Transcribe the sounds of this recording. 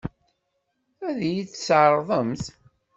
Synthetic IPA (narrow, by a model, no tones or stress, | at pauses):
æðjiθsʕɾˤðˤəmθ